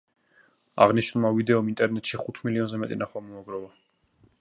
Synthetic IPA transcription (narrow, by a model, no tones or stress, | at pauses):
a̰ʁniʃnulˠmavid̪ɛɔmint̪ʼɛɾnɛt̪ʼʃiχut̪ʰmiliɔnzɛmɛt̪ʼinaχwamɔaɡɾɔla